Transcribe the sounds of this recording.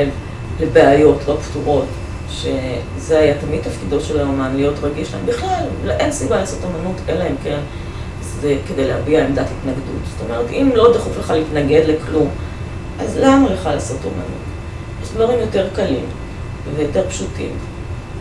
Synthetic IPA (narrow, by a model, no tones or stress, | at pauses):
ev | lebeajo̞tlo̞pftuʁo̞t | ʃe̞ | zeajatamid̚t̪afkido̞tʃelaomanlijo̞tʁaɡiʃla̰ḛmbiχlalʔensibalaːso̞to̞manutʔelaemken | zeke̞de̞jlehabiaemdathit̪naɡdṵtz̥o̥t̪o̞meʁetimlo̞d̪χufleχaleitnaɡe̞dleklum | ʔazlamaleχalaːso̞to̰ma̰nṵt | jeʃdvaʁimjo̞te̞ʁkalim | vejo̞te̞ʁpʃutḭm